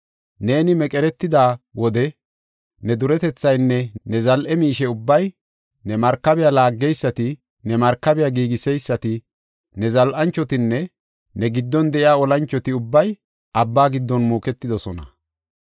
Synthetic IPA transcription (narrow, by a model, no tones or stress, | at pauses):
ne̞ːnɪmɛkʼɛɾɛt̪ːɪd̪aːwɔd̪ɛ | nɛd̪ʊɾɛt̪ɛt͡sːɐjnːɛnɛzɐlʔɛmiːʃɛʊbːɐj | nɛmɐɾkːɐbɛjalaːɡːɛjsːɐt̪ɪ | nɛmɐɾkːɐbɪjaːɡiːɡɪsɛjsːɐt̪ɪ | nɛzɐlʔɐnt͡ʃːɔt̪ɪnːɛ | nɛɡɪd̪ːɔnd̪ɛʔɪaːɔlɐnt͡ʃːɔt̪ɪʊbːɐj | ʔɐbːaːɡɪd̪ːɔnmuːkɛt̪ːɪd̪ɔsɔnɐ